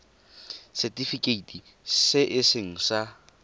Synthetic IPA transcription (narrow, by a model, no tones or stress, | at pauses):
sɛtʼifikʼeitʼi | sɪʔɪsɪŋ̩sa